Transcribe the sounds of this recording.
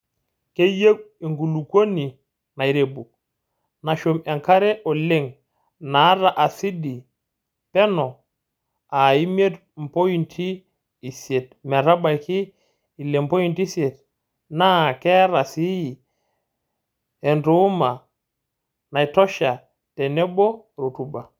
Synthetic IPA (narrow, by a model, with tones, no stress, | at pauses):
ke˦je˦ke˨ŋɡu˨lu˨ko˦ni˨ | na˨i˨ɾe˨bu˨k̚ | na˨ʃo˨mɛ˨ŋka˦ɾɛ˦ʔɔ˨le˦˨ŋ | na˨˦ɾa˨ʔa˨si˦di˨ | pɛ˦nɔ˨ | a˨i˦m˦e˦t | m̩˨po˦i˨ntʰiː˦˨ | se˨t̚mɛ˨ɾa˦ɓa˨i˨ki˦ | i˨lɛ˨m˨po˦i˨nti˦sje˨t | na˦˨kɛ˦ɾa˨si˦ji˨ | ɛ˨nɾo˨˦ma˨ | na˨i˨tɔ˦ʃa˨ | tɛ˨nɛ˦bɔ˦ | ɾo˨tu˦ba˨